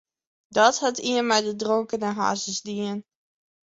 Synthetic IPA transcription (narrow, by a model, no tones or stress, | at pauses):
dɔthatiənmɛjdədroŋkənəɦa̰ːsəzdiən